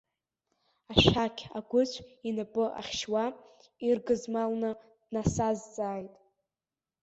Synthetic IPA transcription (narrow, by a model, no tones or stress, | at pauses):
aʃakʲʰaɡʷʊt͡ɕʷʰinɨpʼɨʔa̰χʲʃwa | irɡɨzmalnɨ | d̥nasazːʼaːjtʼ